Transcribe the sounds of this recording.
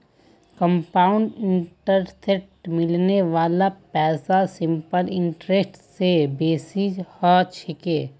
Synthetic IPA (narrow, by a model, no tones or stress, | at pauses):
kə̃mpaːʊɳɖɪɳʈəɾseʈmɪlneʋaːlapɛːsasɪ̃mpəlɪ̃ɳʈɾesʈsebeːsid͡ʒhɔt͡ʃʰɪkeː